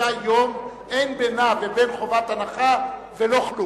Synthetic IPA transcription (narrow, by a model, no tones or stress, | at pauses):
ajom | e̞jnbenavebe̞nχo̞vat̪anaχa | velo̞χlu